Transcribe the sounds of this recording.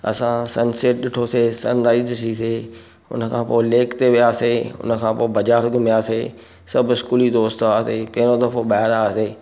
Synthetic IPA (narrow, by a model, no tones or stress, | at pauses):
ɐ̰sãsɐnseːʈ̚ɗɪʈʰoseːsɐnɾaːizʈʰise | ʊ̰nəkʰãːpoːɪleːkt̪eʋijaːseːʊ̰nə̆kʰãːpoːbɐd͡ʑaːɾɡʱʊmijaːseː | sɐbʱɪskuːlid̪oːst̪aːsepɐ̃ːɪɾ̃od̪ɐfoɓaːɪɾaseː